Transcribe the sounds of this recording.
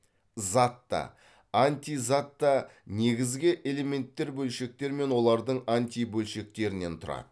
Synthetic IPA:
zɑt̪ːɑ̰ | ant̪ijzɑt̪ːɑne̞ɡʲɪzɡʲɪʔe̞le̞me̞nt̪ːe̞ɾbɵlʃe̞k̚t̪e̞ɾme̞nwo̞lˠɑɾd̪əɴant̪ʲijbɵlʃe̞k̚t̪e̞ɾɪne̞nt̪ʰʊɾɑ̰d̪ə

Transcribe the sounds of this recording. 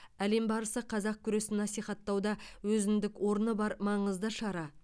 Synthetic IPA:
æle̞mbɑɾəsəqʰɑzɑq̚kʲʰʏɾe̞sɪnːɑsijχɑt̪ːɑwd̪ɑwɵzɪnd̪ɪkwo̞ɾnəbɑɾmɑɴəzd̪əʃɑɾɑ

